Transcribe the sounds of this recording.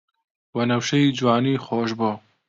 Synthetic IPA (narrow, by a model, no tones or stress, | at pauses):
wɐnɐwʃɛjiːd͡ʒwaːniːxoːʃboː